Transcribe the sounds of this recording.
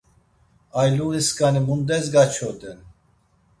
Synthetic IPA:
ajluʁiskanimund̪ɛzɡat͡ʃʰɔd̪ɛn

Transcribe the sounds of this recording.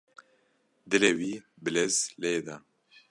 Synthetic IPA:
d̪ɨlewiː | bɨlezleːd̪a

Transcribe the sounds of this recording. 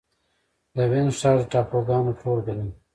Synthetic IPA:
d̪əwensɑːd̪ʈɑːpoɡɑːnoʈʰoːlɡani

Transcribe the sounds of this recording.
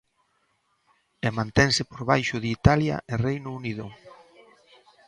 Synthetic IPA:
emãnt̪ɛŋsɪpoɾβajʃʊðɪit̪alja̰ʔerejnʊuniðʊ

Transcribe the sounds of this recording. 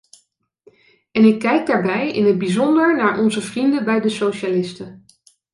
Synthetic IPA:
ɛnɪkːɛjɡ̚daːɹbɛjɪ̰nɦəd̚bizɔndəɹnaːɹʔɔnzəvrindəbɛjdəsowʃalɪstə

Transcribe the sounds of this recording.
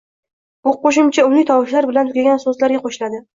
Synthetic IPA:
b̥ʊqʰoʃ̬ɪmt͡ʃʰaʊnɪt̪ʰɒwɪʃlaɾbɪlant̪ʊkʲaɡʲansɵzlaɾɡʲaqʰoʃɪlad̪ɪ

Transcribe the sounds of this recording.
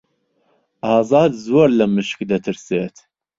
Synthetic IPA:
ʔɑːzɑːd̪zoːɾlɐmɨʃkd̪ɐt̪ʰɨɾseːt̪

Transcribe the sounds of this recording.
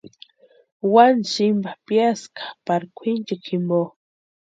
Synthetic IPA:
wansimbapjaskḁpaɾkʷʰint͡ʃakʰimbo

